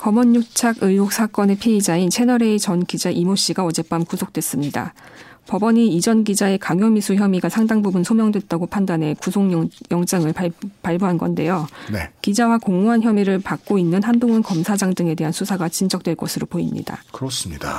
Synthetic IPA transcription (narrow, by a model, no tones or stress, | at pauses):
kʌmʌɲːuk̚t͡ɕʰaɡɯɭok̚s͈ak͈ʌne̞pʰiid͡ʑaint͡ɕʰe̞nʌɾe̞it͡ɕʌnɡid͡ʑaʔimoɕ͈iɡaʌd͡ʑe̞p͈amkusʰok̚t͈wes͈ɯmɲida̰ | pʌbʌɲiid͡ʑʌnɡid͡ʑae̞kaŋjʌmisʰuçjʌmiɡasʰaŋdaŋbubunsʰomjʌŋdwe̞t̚t͈aɡopʰandanɦe̞kusʰoŋjʌŋt͡ɕ͈aŋɯɭpaɭboɦanɡʌnde̞jonekid͡ʑawakoŋuɦançjʌmiɾɯɭpak̚k͈oinːɯnhandoŋʌnkʌmsʰad͡ʑaŋdɯŋe̞de̞ɦansʰusʰaɡat͡ɕind͡ʑʌk̚t͈we̞ɭk͈ʌsʰɯɾopoḭmɲḭda̰kɯɾʌs͈ɯmɲida